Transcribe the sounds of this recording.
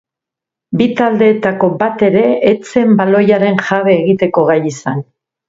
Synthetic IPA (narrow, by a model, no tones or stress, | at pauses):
bit̪ald̪e̞ːt̪ako̞bat̪e̞ɾe̞ːt͡se̞mbalo̞jaɾe̞nʝaβe̞ːɣit̪e̞ko̞ɣ̞ajisan